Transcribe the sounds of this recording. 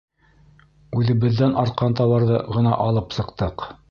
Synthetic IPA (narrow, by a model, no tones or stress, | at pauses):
ʉðɘ̆βɘ̆ðːænʔɑɾt̪̚qɑnt̪ɑwɑɾðɤ̰ʁɤ̆nɑʔɑlˠɤpsɤ̆qt̪ɤq